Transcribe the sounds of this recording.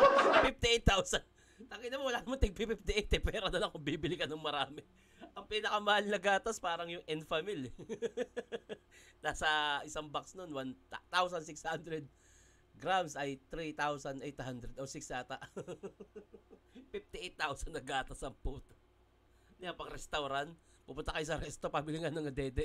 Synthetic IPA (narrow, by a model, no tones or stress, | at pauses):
pif̚t̪ɪʔejt̪ːawsɐn | t̪ɐɡɪnɐmanwɐlaːnɐmant̪ɛɡ̚pɪpɪft̪ɪʔɛjt̪ɛpɛːɾonɐlɐŋkʊmbibɪlɪkɐnɐŋmɐɾaːmɪ | ʔɐŋpinɐkɐmɐhalnɐɡaːt̪ɐspaːɾɐŋjʊŋʔɛnfamil | naːsɐʔɪsaŋbaksnonwant̪awsɐnsɪkshand̪ɾɛd̪̚ | ɡɾamsɐjt̪ɾit̪awsɐnʔɛjt̪hand̪ɾɛd̪osɪksaːt̪ɐʔ | fift̪ɪʔɛjt̪ːawsɐnːɐɡaːt̪ɐsɐŋpuːt̪ | nɪjapɐɡɾɛst̪ɐwɾant̪ | pʊpʊnt̪ɐkɐjʊsɐɾɛst̪opamɪlɪŋanɐŋɐd̪ɛːd̪ɛ